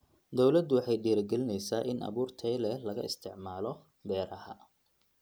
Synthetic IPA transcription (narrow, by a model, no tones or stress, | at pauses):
d̪ɔwlɐd̪ʊwɑħɑjɖiːɾɐɡɛlɪnɛjsaːʔɪnʔɐ̰βuːrt̪ʰɛːlɛlɐɣɐ̰ɪst̪ʰɪʕmaːlɔ | bɛːɾɐhɐ̰